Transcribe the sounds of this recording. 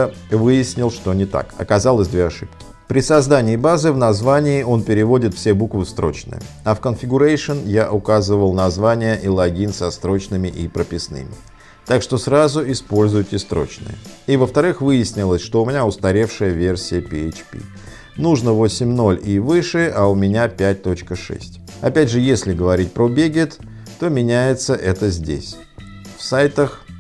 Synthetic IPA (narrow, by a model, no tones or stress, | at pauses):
vɨjɪsʲnʲɪlˠʂt̪o̞nʲɪt̪a̰kɐ̰kɐzalˠəsʲd̪vʲeɐʂɨpkʲɪ̥ | pɾʲɪsɐzd̪anʲɪːbazɨvnɐzvanʲɪːʔo̞npʲɪɾʲɪvo̞dʲɪt̪fsʲebukvɨst̪ɾo̞̰t͡ɕnɨ̰jə̰ | ɐfkənfʲɪɡʊɾajʂɨnjaʔʊkazɨvəlˠnɐzvanʲɪjəʔilˠɐɡʲinʲsɐst̪ɾo̞t͡ɕnɨmʲɪʔipɾəpʲɪsnɨ̰mʲɪ | t̪akʂt̪o̞sɾazʊʔɪspo̞lʲzʊjɪtʲɪst̪ɾo̞̰t͡ɕnɨ̰jə̰ivəft̪ɐɾɨxvɨjɪsʲnʲɪlˠəsʲʂt̪o̞ʊmʲɪnʲaʊst̪ɐɾʲe̞fʂɨjəvʲe̞rsʲɪjəpʲɪet͡ɕpʲḭ | nuʐnəvosʲɪmʲno̞lʲivɨʂɨʔaʊmʲɪnʲapʲæt̚ʲt̪o̞t͡ɕkəʂɛ̰sʲtʲ | ɐpʲædʲʐɨjesʲlʲɪɡəvɐɾʲit̚ʲpɾobʲeɡʲɪt̪ː | o̞mʲɪnʲæjɪt̪səʔɛt̪əzʲdʲḛsʲ | fsajt̪əx